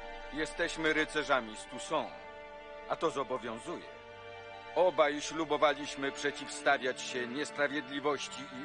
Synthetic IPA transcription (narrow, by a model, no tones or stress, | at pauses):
jɛst̪ɛɕmɘɾɘt̪sɛʐamʲist̪usɔ̃w̃ | ʔat̪ɔzɔbɔvʲjɔ̃w̃zujɛ̰ | ɔbajɕlubɔvalʲiɕmɘpʂɛt͡ɕifst̪avʲjat͡ɕɕɛɲɛspɾavʲjɛd̪lʲivɔɕt͡ɕi